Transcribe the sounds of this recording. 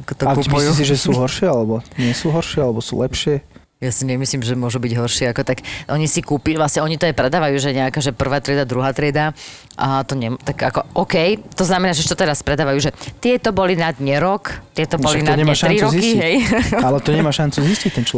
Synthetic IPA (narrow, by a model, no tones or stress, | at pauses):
akɔt̪ɔakːpɔjs̬iʒɛsuːɦɔɾʃɪɛalɛbɔɲɪɛsuːɦɔɾʃɪɛalɛbɔsṵːlɛpʃɪɛ | jasiɲɛmisliːmʒɛmʊɔʒubiɟɦɔɾʃɪɛakɔt̪akʔɔɲisikuːpiʋlasɲɛɔɲit̪ɔjɛpɾɛd̪aːʋajuːʒɛɲɛakaːʒɛpr̩ʋaːt̪ɾɪɛd̪ad̪ɾuɦaːt̪ɾɪɛd̪a | ət̪ɔɲɛmt̪aɡakɔʔɔkɛjt̪ɔznamɛnaːʒɛʃt̪ɔt̪ɛɾaspɾɛd̪aːʋajuːʒɛt̪ɪɛt̪ɔbɔlinad̪ɲɛɾɔkt̪ɪɛt̪ɔbɔlinɔɲɛmaʃaɾiɾɔkiɦɛjalɛt̪ɔɲɛmaːʃant͡suziscic̚t̪ɛnt͡ʃ